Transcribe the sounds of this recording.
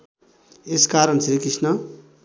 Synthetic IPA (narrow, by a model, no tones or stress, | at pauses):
eskaɾʌnsɾikisnʌ